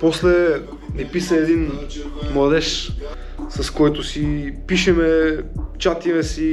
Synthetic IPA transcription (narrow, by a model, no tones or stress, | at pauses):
pɔslɛ | mipisəɛd̪in | mlˠɐd̪ɛʃ | sɐskɔjt̪ʊsipiʃɛmɛt͡ʃat̪imɛsi